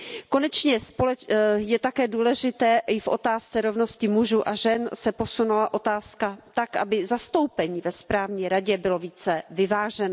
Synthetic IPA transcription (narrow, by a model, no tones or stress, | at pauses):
ko̞nɛt͡ʃɲɛspolɛjɛt̪akɛːduːlɛʒɪt̪ɛːʔɪfʔo̞̰t̪aːst͡sɛɾo̞vno̞scɪmuʒuːʔaʒɛnsɛpo̞sunulaʔo̞t̪aːskat̪akʔa̰bɪzast̪o̞wpɛɲiːvɛspɾaːvɲɛːɾaɟɛbɪlo̞viːt͡sɛvɪvaːʒɛno